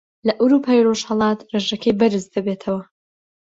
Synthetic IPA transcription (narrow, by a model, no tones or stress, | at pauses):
lɐʔawɾupʰaːiro̞ʃhɐlˠɑːt̪reʒɐkʰɐjbɐɾɨzd̪ɐbet̪ʰɐwɐ